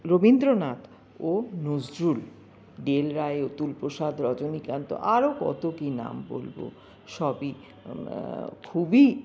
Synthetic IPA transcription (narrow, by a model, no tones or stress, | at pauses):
ɾobind̪ɾonat̪ | onod͡ʑɾul | ɖelɾaeot̪ulpoʃad̪ʱɾɔd͡ʑonikant̪o̰ʔaɾokɔ̰t̪okina̰mbo̰lbo̰ | ʃɔbi | kʰubi